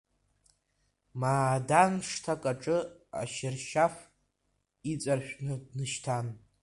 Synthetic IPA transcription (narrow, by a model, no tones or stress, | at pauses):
maːdanʂtʰakʼaʈ͡ʂʼɨa̰ʃɪrʃaf | it͡sʼarʃʷᶣnɨdnɨʃtʰan